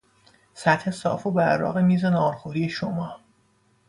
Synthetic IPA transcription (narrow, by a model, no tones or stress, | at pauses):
sæt̪he̞sɒ̰ːfobæɾɾɒ̰ːɣemiːzenɒːɾxoɾiːe̞ʃomɒː